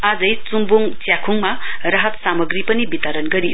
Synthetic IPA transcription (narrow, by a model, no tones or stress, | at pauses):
ad͡zʌjt͡sumbuŋt͡sjakʰuŋma | rʌɦʌt̪samʌɡɾipʌnibit̪ʌɾʌnɡʌɾijo